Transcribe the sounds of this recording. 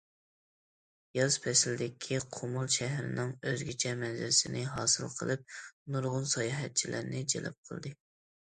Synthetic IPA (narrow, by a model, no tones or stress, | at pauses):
jɑz̥pʰɛsɪld̪ɪkʲʰiqʰomulˠʃɛɦɾɪ̰nɪŋøzɡʲit͡ʃʰɛmɛnzɪlɪsɪnɪɦɑ̰ːsɨlˠqʰəlˠɨp̚nuɾʁʊnsɑjɑːɦɛt̪̚t͡ʃʰilʔæɾnɪd͡ʒḛlɪ̰p̚qʰəlˠd̪ɨ